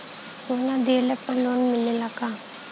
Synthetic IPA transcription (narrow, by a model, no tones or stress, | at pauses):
soːnad̪eːlepəɾloːnmɪlelaɡaː